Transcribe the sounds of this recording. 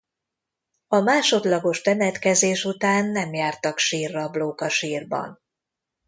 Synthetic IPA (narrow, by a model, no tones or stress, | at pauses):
ɒmaːʃo̞d̪lɒɡo̞ʃt̪ɛnɛt̪kɛzeːʃut̪aːnːɛmjaːrt̪ɒkʃiːrːɒbloːkɒʃiːrbɒ̰n